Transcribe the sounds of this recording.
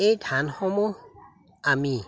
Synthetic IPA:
ejtʰanhɔmɔ | ami

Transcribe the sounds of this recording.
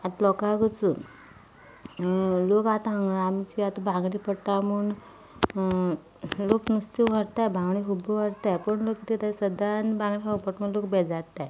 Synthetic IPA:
at̪lɔkaɡət͡su | lokat̪aŋɡaamt͡ɕiat̪abʱãŋɡɽipəʈːamuɳ | loknust̪iʋəɾt̪ajbʱãŋɡɳiɦubəʋəɾt̪ajpəɳlokit̪it̪asəd̪anbãŋɡɽiɦɔpəʈməlokbɛd͡zat̪ːaj

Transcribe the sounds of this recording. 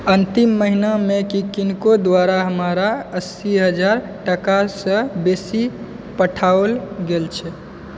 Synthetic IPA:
ənt̪imːəɦinamekikinkod̪waɾaɦəmaɾaəsiɦəd͡ʒaɾ | ʈəkasə̃besi | pəʈʰaolɡelt͡ʃʰɛ

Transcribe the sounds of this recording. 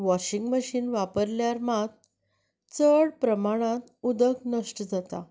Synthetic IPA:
ʋɔɕiŋɡməɕiːnʋapəɾljaɾmat̪̚ | t͡səɽpɾəmaɽ̃ãt̪ud̪əknəʂʈəd͡zat̪a̰

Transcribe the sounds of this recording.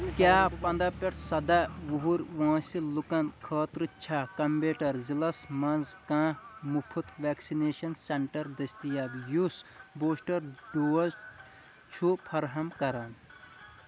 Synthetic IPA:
kjaːpɐ̃nd̪ɐpeʈsɐd̪aʋuɦuɾʋãːsilukɐ̃nkʰɐːt̪ɾɨt͡ʃʰaːkɐmbeːʈɐɾzilɐsmɐnzkãːmupʰut̪ʰʋɛːksineːʃɐnseɳʈɐɾd̪ɐst̪ijaːbjusboːsʈɐɾɖoːɐz | t͡ʃʰupʰɐɾɦɐmkɐɾɐn

